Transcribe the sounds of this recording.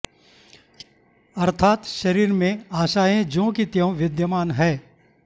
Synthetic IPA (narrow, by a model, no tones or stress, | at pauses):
ɐɾt̪ʰaːt̪ʃɐɾiːɾmẽaːʃaːẽd͡ʒõːkit̪jõʋɪd̪jəmaːnɦɛː